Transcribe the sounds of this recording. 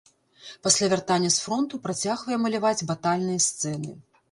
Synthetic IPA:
pasʲlʲavʲart̪anʲːɐsfɾɔnt̪upɾat͡sʲaɣvɐjɛmɐlʲavad͡zʲbat̪alʲnɨjɐst̪sɛnɨ

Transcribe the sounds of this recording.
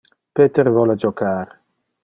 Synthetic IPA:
pet̪eɾvɔlad͡ʒokʰaːɾ

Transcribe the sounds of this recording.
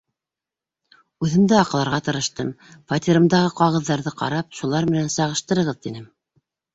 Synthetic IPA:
ʉðɘ̆md̪ɘɑqɑ̆lˠɑɾʁɑt̪ɤ̆ɾɤ̆ʃt̪ɤmfɐt̪ʲiɾɤ̆md̪ɑʁɤqɑʁɤ̆ðːɑɾðɤqɑ̰ɾɑp̚ʃulˠɑɾmɘ̆nænsɑʁɤ̆ʃt̪ɤ̆ɾɤ̆ʁɤðt̪inɘm

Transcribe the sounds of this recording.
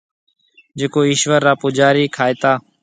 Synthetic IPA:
d͡ʒeːkoːiːʃʋəɾːaːpoːd͡ʒaːɾiːkʰaːeːt̪aː

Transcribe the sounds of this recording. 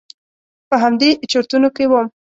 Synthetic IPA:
pəɦamd̪eʔt͡ʃoɾt̪unokewəm

